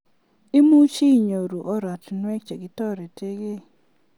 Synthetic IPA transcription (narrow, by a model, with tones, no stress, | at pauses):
ɪ˦mu˦t͡ʃi˦ɲo˨ɾu˨ʔɔ˦ɾa˨tnwɛ˦k̚t͡ʃe˨ɡɪ˨˦tɔ˦ɾe˨tʰe˦ɡe˦˨